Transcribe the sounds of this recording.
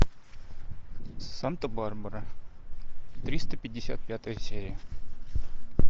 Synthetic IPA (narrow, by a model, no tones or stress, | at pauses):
ant̪əbarbəɾə | t̪ɾʲist̪əpʲɪdʲːɪsʲa̰t̪̚pʲat̪əjəsʲeɾʲɪjə